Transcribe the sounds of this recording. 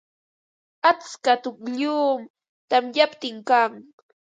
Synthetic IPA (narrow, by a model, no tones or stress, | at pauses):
at͡skat̪ʊkʎuːm | t̪amjapt̪ɪŋkaŋ